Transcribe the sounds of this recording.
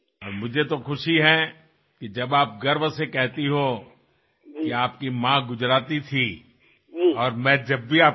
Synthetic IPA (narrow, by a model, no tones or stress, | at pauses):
ɔːɾmʊd͡ʒʱet̪oxʊʃiɦɛ̃ | kid͡ʒɐbaːp̚ɡɐɾbsekɛɦt̪iɦo | kiaːp̚kimãɡʊd͡ʒɾaːt̪it̪ʰi | ɔːɾmɛ̃ːd͡ʒɐbːiaːp